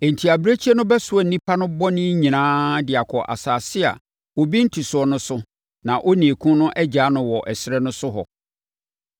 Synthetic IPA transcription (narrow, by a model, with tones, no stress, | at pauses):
e˨n̩˨tʰi˨a˨bɾe˦t͡ɕʰi˦ɛ˦nʊ̃˦bɛ˦sʊ˨ɔ˨nĩ˦pʰa˦nʊ̃˦bɔ˦nɪ̃˦ɲĩ˨nãː˦dɪ˨a˨kʰɔ˨ʔa̰˨saː˨sɪ˦a̰˨ | wo˨bi˦n̩˦tʰi˨sʊ˨ɔ˨nʊ̃˦sʊ˦ | nã˨ʔo˦nĩ˨e˨kʰũ˦nʊ̃˦ʔɛ˦d͡ʑaː˨˦nʊ̃˨wɔ˨ʔɛ˨sɪ˦ɾɛ˦nʊ̃˦sʊ˦ɦɔ̰˨